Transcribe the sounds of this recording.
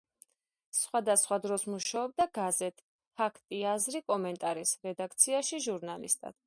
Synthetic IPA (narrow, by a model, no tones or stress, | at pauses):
sχwad̪asχwad̪ɾɔsmuʃaɔb̚d̪aɡazɛt̪ʰʼ | pʰakʰt̪ʼiazɾikʼɔmɛnt̪ʼaɾisɾɛd̪akʰt̪sʰiaʃiʒuɾnalḭst̪ʼa̰d̪̥̚